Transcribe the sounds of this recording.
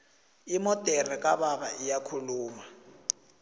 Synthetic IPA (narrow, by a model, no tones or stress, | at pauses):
imɔtʼɛrik̬ʼaɓaɓaʔijakʰuluːma